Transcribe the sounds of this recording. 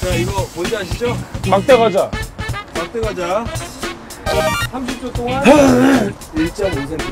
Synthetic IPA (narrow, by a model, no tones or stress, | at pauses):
t͡ɕaiɡʌmond͡ʑeɦaɕʰid͡ʑomak̚t͈eɣad͡ʑamak̚t͈eɡad͡ʑa | sʰamɕʰip̚t͡ɕ͈ot͈oŋan | iɭt͡ɕ͈ʌmons̬ʰen